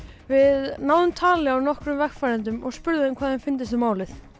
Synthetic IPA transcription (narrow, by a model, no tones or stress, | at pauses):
vɪðnawðʏnt̪ʰaːlɪawnɔhkɾʏmvɛɣfajɾɛnt̪̬ʏmɔɣspʏɾðɪɪmkʰvaːðhanfɪnt̪ɪsʏmaːwlɪθ